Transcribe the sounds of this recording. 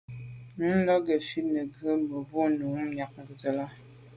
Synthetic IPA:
n̩˦lɔ˦ɡə˨fi˦nə˨ɡə˦mə˨bu˦nu˨˦ŋ˦mja˨k̚ŋ̩˨ɡə˨zə˨la˦

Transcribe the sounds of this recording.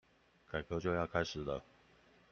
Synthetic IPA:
ka˨˩ɪkʰɤ˧˦t͡ɕjo˥˧ʊjɑ˥˨ʊkʰa˥ɪʂɻ̩˨˩lə˦

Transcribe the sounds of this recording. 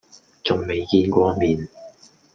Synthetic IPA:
t͡sʊ˨ŋme˨jkiː˧nkʷɔː˧miː˨n

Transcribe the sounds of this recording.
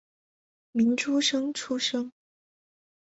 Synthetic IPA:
mi˨˧˥nʈ͡ʂʰu˥ʂɤ˥ŋʈ͡ʂʰu˥ʂɤ˥ŋ

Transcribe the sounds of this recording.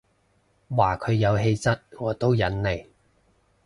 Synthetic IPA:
waː˨˩kʰɵ˨˧ɥjɐ˨˧wɦe˧jt͡sɐ˥t̚ŋɔː˨˧t̪o˥wjɐ˨˥nle˨˩j

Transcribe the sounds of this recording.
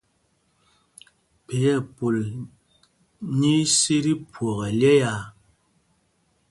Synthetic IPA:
pe˨jɛ˦˨po˨l | ɲi˦si˦ɾi˦pʰwɔ˨ɣɛ˨ljɛ˦ja˨

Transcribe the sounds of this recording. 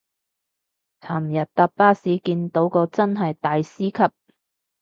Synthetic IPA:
t͡sʰaː˨˩m̩˨˩jɐ˨t̚t̪aː˨˧p̚paː˥siː˨˥kiː˧nt̪o˨˥wkɔː˧t͡sɐ˥nɦɐ˨jt̪aː˨jsiː˥kʰɐ˨p̚

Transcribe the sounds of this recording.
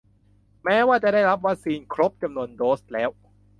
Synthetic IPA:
mɛː˦˥waː˥˩t͡ɕa˨daː˥˩jɾa˦˥p̬̚wa˦˥k̚siː˧nkʰɾo˦˥p̚t͡ɕa˧mnu˧əndoː˦˥st̪̚lɛː˦˥w

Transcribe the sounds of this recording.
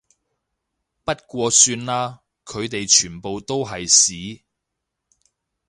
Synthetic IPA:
pɐ˥t̚kʷɔː˧syː˧nlaː˥ | kʰɵ˨˧ɥt̪e˨jt͡ʃʰyː˨˩npo˨wt̪o˥wɦɐ˨jsiː˨˥

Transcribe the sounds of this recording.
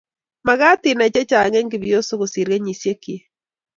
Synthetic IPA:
ma˨ɣa˦ti˨na˨t͡ʃɛ˦t͡ʃa˨ŋɛ˦ŋɡe˨βjo˦so˦ɣo˨si˨ɾe˦ɲi˨sje˦ki˨e˦

